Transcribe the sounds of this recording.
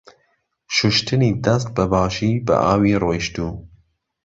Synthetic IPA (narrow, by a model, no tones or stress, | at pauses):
ʃʊʃt̪ʰɨniːd̪ɛst̪̚bɛbɑːʃiːbɨ̰ʔɑːwiːroːjʃt̪uː